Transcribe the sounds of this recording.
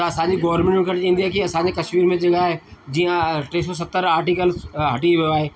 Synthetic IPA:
ɐsãd͡ʑiɡɔːʋəɾmẽɳʈkʰəɾt͡ɕãɦĩnd̪iaːkiɐsãɲd͡ʑekɐʃmiːɾmẽd͡ʑeɡaːɦed͡ʑijãʈeːs̬ɔs̬ɐt̪ːəɾaːɾʈiːkəlsɦɐʈiʋijoaːɦeː

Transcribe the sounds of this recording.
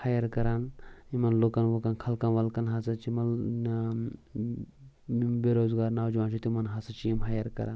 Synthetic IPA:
hajɐɾkɐɾaːnimɐnlokanʋokankʰɐlkanʋɐlkɐnɦasɐt͡ʃimɐl | beɾoːzɡaːɾnaːwd͡ʒuʋãːnt͡ʃʰit̪imɐnɦasɐt͡ʃiimɦajɐɾkɐ̰ɾa̰ːn

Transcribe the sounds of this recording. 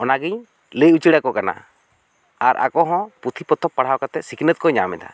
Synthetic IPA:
ɔnaɡiɲ | lejut͡ʃiɽakɔkana̰ | aɾʔa̰kɔɦɔ̃pɾut̪ʰipɔt̪ʰɔpːaɽ̤awkat̪ɛsikʰnət̪̚kɔɲamɛd̪a̰

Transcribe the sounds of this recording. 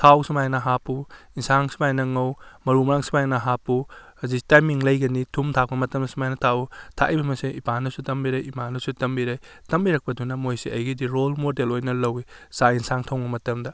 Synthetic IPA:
tʰawsimajnɐɦapuinsaŋsi̥majnɐŋɐwmɐɾumɐɾaŋsi̥majnɐɦapuhɐzistajmiŋlɐjɡɐnitʰumtʰak̚pɐmɐtɐmnɐsumajnɐtʰautʰa̰ʔibɐmɐsiipanɐsutɐmbiɾɐjimanɐsutɐmbiɾɐjtɐmbiɾɐk̚pɐdunɐmojsiɐjɡidiɾolmodelojnɐlɐwisainsaŋtʰɐwbɐmɐtɐmdɐ

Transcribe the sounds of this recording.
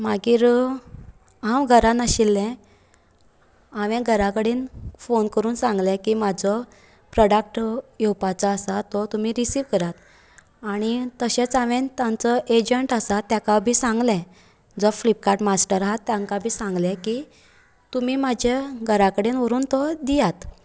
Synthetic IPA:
maɡiːɾ | ãwɡʱəɾãnaɕilːɛ̃ | aʋẽɡʱəɾãkəɽeːnfonkəɾuːnsãŋɡlɛ̃kiːmad͡zɔ | pɾɔɽak̚ʈjewpat͡saːsat̪ɔt̪umiɾisiːʋkəɾat̪ | aɽ̃it̪əɕet͡saʋẽnt̪jãnt͡sɔʔed͡ʑəɳʈəsat̪ːjakabʱiːsãŋɡlɛ̃ | d͡zɔflipkaɾʈmasʈəɾaɦat̪ːjãŋkabʱiːsãŋɡlɛ̃ki | t̪umiːmad͡ʑʱaɡʱəɾakəɽeːnʋəɾuːnt̪ɔd̪ijat̪

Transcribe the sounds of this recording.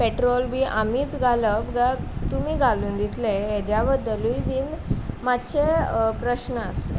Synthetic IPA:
peʈɾolbiʔamiːt͡sɡʱaləbɡat̪umiːɡʱaluːnd̪it̪ʰlejed͡ʑjabəd̪ːəluiʋiːnmat̪ːɕepɾəɕnəəslḛ

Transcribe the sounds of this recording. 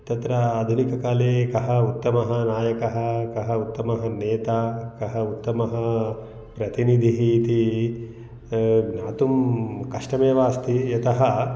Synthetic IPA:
t̪ɐt̪ɾɐːd̪ʱunikɐkaːleːkɐɦɐut̪ːɐmɐɦɐnaːjɐkɐɦɐ̆kɐɦɐut̪ːɐmɐɦɐneːt̪aːkɐɦɐut̪ːɐmɐɦɐ | pɾɐt̪inid̪ʱiɦiːt̪i | naːt̪umkɐʂʈɐmeːʋaːst̪ijɐt̪ɐɦɐ

